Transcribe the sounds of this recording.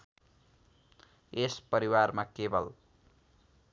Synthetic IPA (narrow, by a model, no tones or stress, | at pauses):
espʌɾiwarmakebʌl